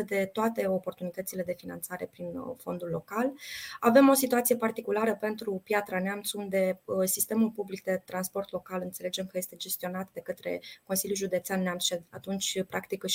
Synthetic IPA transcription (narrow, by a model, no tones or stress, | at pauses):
əd̪e̞t̪oat̪e̞o̞po̞rt̪unit̪ət̪sile̞d̪e̞finant̪saɾe̞pɾinfo̞̰nd̪ulːo̞kalave̞mo̞sit̪uat̪sije̞part̪ikulaɾəpe̞nt̪ɾupjat̪ɾaneamt̪sund̪e̞sist̪e̞mulpublik̚d̪e̞t̪ɾanspo̞rt̪lo̞kalɨnt̪se̞le̞d͡ʒe̞mkəje̞st̪e̞d͡ʒe̞st̪io̞nat̪d̪e̞kət̪ɾe̞̰ko̞nsiljulʒud̪e̞t̪seanːeamt̪sʃea̰t̪unt͡ʃʲpɾʔakt̪ik